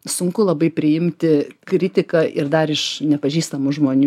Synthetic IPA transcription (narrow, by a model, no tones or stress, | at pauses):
sʊŋkʊlˠɐbɐɪpʲɾʲɪɪmʲt̪ʲɪkɾʲɪt̪ʲɪkɐʔɪɾd̪ɐɾɪʃnʲɛpɐʒʲiːst̪ɐmʊʒmoːnʲu